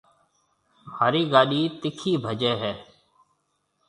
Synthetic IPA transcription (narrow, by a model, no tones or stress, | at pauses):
haːɾiːɡaːɗiːt̪ɪkʰiːbʱəd͡ʒeːɦɛː